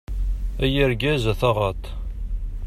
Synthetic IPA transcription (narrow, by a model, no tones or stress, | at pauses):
æjəɾɡæzæθɑʁɑt̪